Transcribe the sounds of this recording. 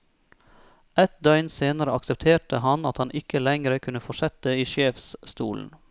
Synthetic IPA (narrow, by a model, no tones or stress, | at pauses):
ɛt̪̚d̪œʏnseːnəɾəɑksəp̚t̪ʰeːʈəhɑnɑt̪hɑnʔɪkəlɛŋɾəkʰʉnəfɔʃɛt̪̚d̪əiːʃeːfsst̪ṵːln̩